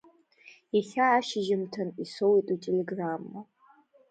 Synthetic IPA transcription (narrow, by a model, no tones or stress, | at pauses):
iχʲaːʃɪʒɪmtʰɐnisowitʼutʼeleɡramːo